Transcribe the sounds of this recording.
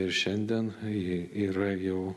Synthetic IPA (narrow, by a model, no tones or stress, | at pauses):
ɪɾʃʲɛnʲd̪ʲɛniːɾɐjɛʊ